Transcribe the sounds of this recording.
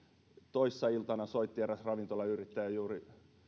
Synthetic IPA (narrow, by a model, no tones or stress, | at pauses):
t̪oisːɑilt̪ɑnɑsoit̪ːieræsrɑʋint̪olɑyrit̪ːæjjuːri